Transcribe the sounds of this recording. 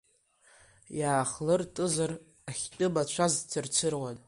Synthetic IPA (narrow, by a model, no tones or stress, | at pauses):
jaːχlɨrtʼɨzɨr | aχʲtʼɨbat͡ʃʷʰaztʰɨrt͡sʰɨrwatʼ